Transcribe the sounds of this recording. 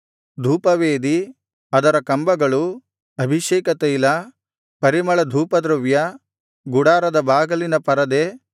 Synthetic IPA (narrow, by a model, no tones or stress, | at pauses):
d̪ʱuːpɐʋeːd̪i | ɐd̪ɐɾɐkɐmbɐɡɐɭu | ɐbʱiʃeːkɐt̪eilɐ | pɐɾimɐɭɐd̪ʱuːpɐd̪ɾɐʋjɐ | ɡuɽaːɾɐd̪ɐbaːɡɐlinɐpɐɾɐd̪e